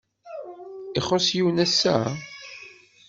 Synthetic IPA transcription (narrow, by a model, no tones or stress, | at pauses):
ɪχosjiwnæsːæ̰